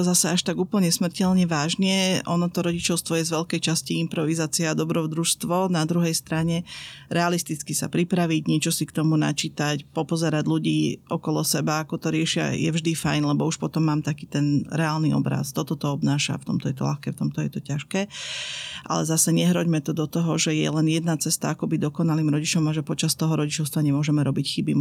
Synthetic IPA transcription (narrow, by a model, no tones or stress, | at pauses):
t̪ɔzasɛaʃt̪aɡuːpl̩ɲɛsmr̩cɛlɲɛʋaːʒɲɛʔɔnɔt̪ɔɾɔɟit͡ʃɔʊst̪ʋɔjɛzʋɛʎkɛjt͡ʃasciimpɾɔʋizaːt͡siaːd̪ɔbɾɔd̪ɾuʃst̪ʋɔnad̪ɾuɦɛjst̪ɾaɲɛɾɛalist̪it͡skisa̰pɾipɾaʋiɟɲɛt͡ʃɔsikt̪ɔmuna̰t͡ʃiːt̪acpɔpɔzɛɾaɟʎuɟiːʔɔkɔlɔsɛbaakɔt̪ɔɾɪɛʃɪa̰jɛvʒd̪ifajnlɛbɔuʃpɔt̪ɔmːaːmt̪akiːt̪ɛnɾɛaːlniɔ̰bɾa̰st̪ɔt̪ɔt̪ɔɔbnaːʃa̰ft̪ɔmt̪ɔjɛt̪ɔlʲa̰xkɛːft̪ɔmt̪ɔjɛt̪ɔcaʃkɛː | ʔa̰lɛzasɛɲɛɦɾɔɟmɛt̪ɔd̪ɔt̪ɔɦɔʒɛjɛ̰lɛnjɛd̪nat͡sɛst̪aakɔbiɟd̪ɔkɔnaliːmɾɔɟit͡ʃɔmaʒɛpɔt͡ʃast̪ɔɦɔɾɔɟit͡ʃɔʊst̪ʋaɲɛmʊɔʒɛmɛɾɔbicxibi